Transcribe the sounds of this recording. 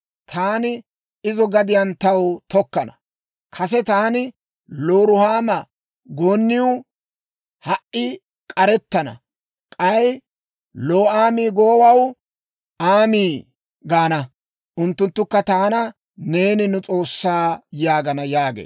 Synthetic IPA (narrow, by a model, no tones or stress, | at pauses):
t̪ʰaːnɪ | ɪzɔɡɐd̪ɪjɐnt̪ɐwt̪ɔkːɐnɐ | kʰɐs̬ɛt̪aːnɪ | loːɾʊhaːmɐ | ɡoːnːɪʊ | hɐʔɪ | kʼɐɾɛt̪ːɐnɐ̰ | kʼɐj | loːaːmiːɡoːwɐw | aːmiː | ɡaːnɐ | ʔʊnt̪ːʊnt̪ːʊkːɐt̪aːnɐ | ne̞ːnɪnʊt͡sʼo̞ːsːaːjaːɡɐnɐjaːɡḛː